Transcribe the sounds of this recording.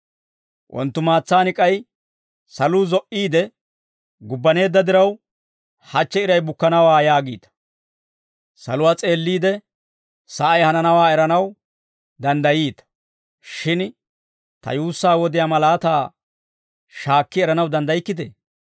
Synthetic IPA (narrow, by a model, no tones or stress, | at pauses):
wʔɔ̰nt̪ːʊmaːt͡sːaːnɪkʼɐj | sɐluːzɔʔiːd̪ɛ | ɡʊbːɐne̞ːd̪ːɐd̪ɪɾɐw | hɐt͡ʃːɛɪɾɐjbʊkːɐnɐwaːjaːɡḭːt̪ɐ̥ | sɐ̰lʊwaːt͡sʼe̞ːlːiːd̪ɛ | sɐʔɐjhɐnɐnɐwaːɛɾɐnɐw | d̪ɐnd̪ɐjiːt̪ɐ̥ | ʃɪn | t̪ɐ̰juːsːaːwɔd̪ɪjaːmɐlaːt̪aː | ʃaːkːɪɛɾɐnɐwd̪ɐnd̪ɐjɪkːɪd̪ḛː